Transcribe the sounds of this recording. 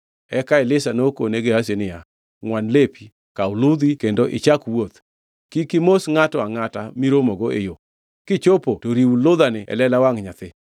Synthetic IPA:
ɛkaɪlɪsanoko̰neɡehas̬enɪja | ŋwanlepʰi | kawlud̪ikendoʔɪ̰t͡ʃakwot̪ | kikɪmosŋatɔaŋatamiɾomoɡoḛjo | kɪt͡ʃopotoɾiwulʊd̪anɪɛ̰lɛlawaŋɲat̪ɪ

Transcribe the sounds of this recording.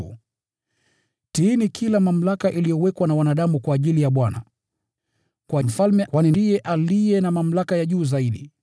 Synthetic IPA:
u | tinikʰilamam̩lakaʔilijɔwɛkwanawanaɗamukwaːʄilijaɓwana̰ | kwam̩falmɛkwanindijɛʔalijɛnamam̩lakajaʄuːzaiɗi

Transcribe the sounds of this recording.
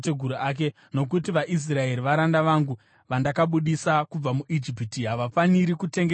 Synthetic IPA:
teɡʱuɾuaːk̬e | no̞k̬ut̬iʋaʔis̬rae̞ɾiʋaɾandaʋaŋɡu | ʋandakaɓuɗisakub͡vamuʔid͡ʒipitiɦaʋafaniɾikute̞ŋɡ

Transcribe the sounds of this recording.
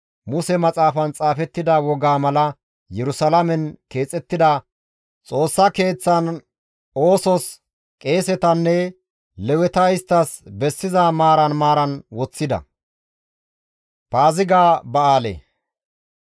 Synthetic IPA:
mʊsɛmɐt͡sʼaːfɐnt͡sʼaːfɛt̪ːɪd̪ɐwɔɡaːmɐlɐ | jɛɾʊsɐlɐmɛnke̞ːt͡sʼɛt̪ːɪd̪ɐ | t͡sʼo̞ːsːɐke̞ːt͡sːɐn | o̞ːsɔs | kʼe̞ːsɛt̪ɐnːɛ | lɛwɛt̪ɐɪst̪ːɐsbɛsːɪzamaːɾɐnmaːɾɐnwɔt͡sːɪd̪ɐ̰ | paːzɪɡaːbɐaːlḛ

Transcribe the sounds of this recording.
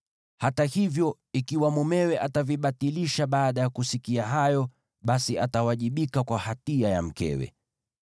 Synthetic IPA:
hatahivjɔ | ikiwamɔmɛwɛʔataviɓatiliʃaɓaːɗajakusikiaɦajɔ | ɓasiatawaʄiɓikakwahatiaja̰m̩kɛ̰wɛ̰

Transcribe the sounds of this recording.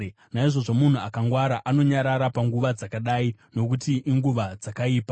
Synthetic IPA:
naiʐo̞ʐo̞mun̤uakaŋɡwaɾaʔano̞ɲaɾaɾapaŋɡuʋad͡zakaɗaino̞kutiʔiŋɡuʋad͡zakaiːpḁ

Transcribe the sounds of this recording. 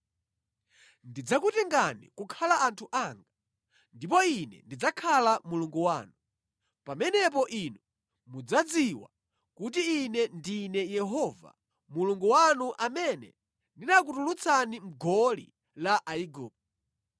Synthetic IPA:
ndid͡zakutɛŋɡanḭkukʰalaantʰuʔaŋɡa | ndip̬ɔinɛ̰ndid͡zakʰalamuluŋɡuwaːnu | pamɛnɛpɔʔinu | mud͡zad͡ziwa̰ | kut̬iːnɛndinɛjɛɦɔva̰ | muluŋɡuwanuʔamɛnɛ̰ | ndinakutulut͡sʰanim̩ɡɔlḭ | laʔaiɡuːp̚

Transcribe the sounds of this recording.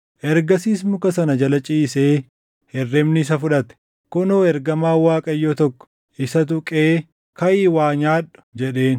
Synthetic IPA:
ʔɛɾɡɐsiːsmʊkɐsɐnɐd͡ʒɐlɐt͡ʃʼiːseː | hɛrːɛmnɪs̬ɐfʊᶑɐt̪ɛ̥ | kʊnoːɛɾɡɐmaːwaːkʼɐjːoːt̪ɔkːɔ̥ | ʔɪsɐt̪̬ʊkʼeː | kɐʔiːwaːɲaːᶑʊ̥d͡ʒɛᶑe̞ːn

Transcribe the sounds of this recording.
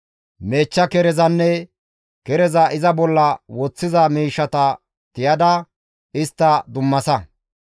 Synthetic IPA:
me̞ːt͡ʃːɐkɛɾɛzɐnːɛ | kɛɾɛzɐʔɪzɐbɔlːɐwɔt͡sːɪzɐmiːʃːɐt̪ɐ | t̪ɪjɐd̪ɐ | ɪst̪ːɐd̪ʊmːɐsɐ

